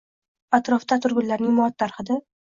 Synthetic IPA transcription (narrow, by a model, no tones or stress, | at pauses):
at̪ɾɒft̪at̪ʰʊɾɡʲʊnlaɾnɪŋmɒt̪ːaɾχɨd̪a